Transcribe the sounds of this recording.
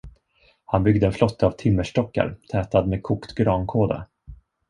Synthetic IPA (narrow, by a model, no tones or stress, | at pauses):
hanbʏɡd̪əɛnflɔt̪ʰːəavt̪ʰɪmːəʂʈɔkːa̰ɾt̪ʰɛːt̪ad̪meːkʰuːkt̪ɡɾɑːnkʰoːd̪a̰